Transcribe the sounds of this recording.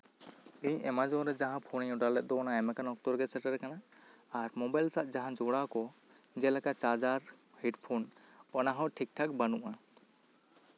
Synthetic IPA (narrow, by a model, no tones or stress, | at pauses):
ɛɲɛmad͡ʒɔɾɛd͡ʒaɦãpʰɔnɛɲɔɖalɛt̪̚d̪ɔɔnaɛmɛkanɔk̚t̪ɔɾɡɛsɛʈɛɾɛkanaː | ɾmɔbajlsaʔ̪̚d͡ʒaɦãd͡ʒɔɽakɔ | d͡ʒɛlɛkat͡ʃad͡ʒaɾ | hɛʈpʰɔnɔnaɦɔ̃ʈʰik̚ʈʰak̚banuʔa